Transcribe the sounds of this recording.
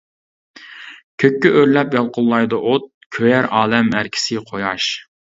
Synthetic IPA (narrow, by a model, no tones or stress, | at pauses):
kʲʰøkʲːyʔøɾlɛpjɑlˠqʰʊlˠːɑjd̪ɨʔot̪̚kʲʰøjæɾɑːlɛmæɾkʲʰɪ̥sɪqʰojɑʃ